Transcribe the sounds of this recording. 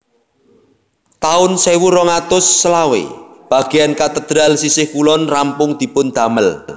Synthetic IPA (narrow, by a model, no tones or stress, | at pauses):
t̪aʊnsewuɾɔŋat̪ʊsːəlawḛb̥a̤ɡ̥eankat̪əd̪̥ɾalsisɪhkulɔnrampʊŋd̪̥i̤pʊnd̪̥a̤məl